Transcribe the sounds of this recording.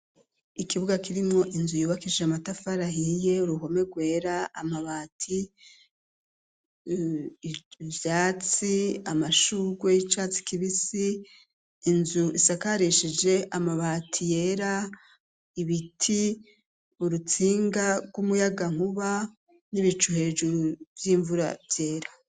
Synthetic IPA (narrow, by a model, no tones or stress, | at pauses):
ikiβuɡakiɾimŋo̞ʔinzujuːβakid͡ʒeamatafaɾaɦije̞uɾuɦo̞me̞ɡwe̞ːɾaa̰maβaːtʰi | vjaːt͡siamaʃuɡweit͡ʃaːt͡si̥kiβisiː | nzuʔisakaɾiʃid͡ʒe̞ʔamaβaːtʰijeɾa | iβitʰi | uɾut͡siːŋɡaɡwumujaɡaŋ̥uβa | niβit͡ʃuhe̞ːd͡ʒuvjiːɱvuɾa̰vje̞ːɾa